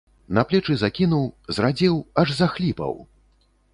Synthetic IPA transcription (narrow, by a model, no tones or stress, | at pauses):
nɐplʲɛt͡ʂɨzakʲinuwzrad͡zʲɛwɐʐzɐxlʲipɐ̰w